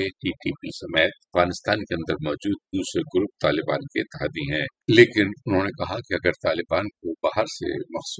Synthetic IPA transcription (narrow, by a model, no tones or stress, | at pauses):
eʈiːʈiːpisɐmeːt̪ɐfɣaːnɪst̪aːnkeɐ̃nd̪əɾmɔːd͡ʒuːd̪̚d̪uːsɾeɡʊɾʊp̚t̪aːlɪbaːnkeɪt̪ːɦaːd̪iɦɛ̃ːleːkɪnʊnɦõːnekɐɦakiɐɡəɾt̪aːlɪbaːnkobaːɦəɾsḛmɐxs